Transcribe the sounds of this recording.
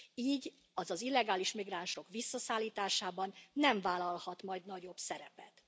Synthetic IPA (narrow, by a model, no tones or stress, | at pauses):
iːɟ | ɒzɒzilːɛɡaːliʃmiɡraːnʃo̞kʋisːɒsaːlːiːt̪aːʃaːbɒnːɛɱvaːlɒlhɒt̪mɒjd̪nɒɟo̞bsɛɾɛpɛt̪